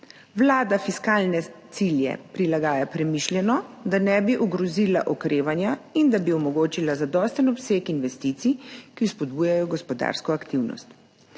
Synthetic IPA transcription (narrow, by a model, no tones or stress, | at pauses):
wlaːd̪afiskaːlnɛt̪siljɛ̰pɾilaɡaːjapɾɛmiʃlʲjɛnɔd̪anɛbiʔuɡɾɔzila̰ʔɔkɾeːʋanjaind̪abiɔmɔɡoːt͡ʃilazad̪ɔːst̪ənɔpseːkinʋɛst̪iːt̪sikispɔd̪̚buːjajɔɡɔspɔd̪a̰ːɾskɔakt̪iwnɔ̰st̪